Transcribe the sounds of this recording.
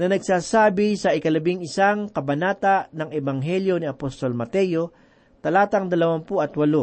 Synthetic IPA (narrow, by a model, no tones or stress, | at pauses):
nɐnɐɡ̚saːsaːbɪsɐʔɪkɐlɐbɪŋɪsaŋkɐbɐnaːt̪anɐŋʔɛbɐŋɦɛljo̞niɐpost̪olmɐt̪ɛjo | t̪ɐlaːt̪ɐŋd̪ɐlɐwampʊʔɐt̪wɐlo